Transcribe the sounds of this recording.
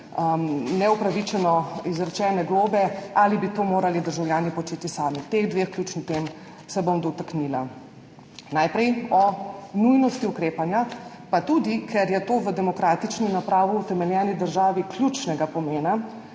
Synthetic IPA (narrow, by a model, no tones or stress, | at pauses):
nɛupɾaʋit͡ʃɛnɔizɾɛt͡ʃɛːnɛɡloːbɛalibit̪oːmoːɾalid̪əɾʒawljaːnipɔt͡ʃeːt̪isaːmit̪eɣd̪ʋexklʲjuːt͡ʃnit̪em | sɛbomd̪ɔt̪aknila | najpɾɛjɔnujnɔst̪iukɾeːpanja | pat̪ud̪ikʰɛɾjɛt̪oːʋəd̪ɛmɔkɾaːt̪it͡ʃninapɾaːʋiːt̪ɛmɛljɛːnid̪əɾʒaːʋikljut͡ʃnɛɡapɔmeːna